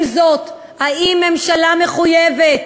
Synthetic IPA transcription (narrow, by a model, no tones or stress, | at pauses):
zo̞t̪ | haimːe̞mʃalameχujevet̪̚